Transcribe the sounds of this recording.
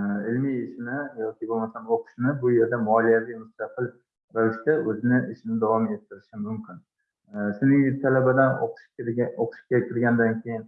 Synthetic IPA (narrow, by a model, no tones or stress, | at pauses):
ɪlmijɪʃɪnɪjɒkʲɪbolmasanoqʰɨ̥ʃɪnɪbʊje̞ɾd̪amɒlijavijmʊst̪ɑqɨlˠ | ɾavɪʃt̪aɵzɪnɪʔɪʃɪnɪd̪avɒme̞t̪ʰːɪɾɪʃɪmʊmkʲɪn | sɪnɪŋt̪ʰalabad̪ano̰qʰʃoqʰɨ̥ʃɪ̥kʲakʰʲɪɾɡʲand̪ankʲʰejɪn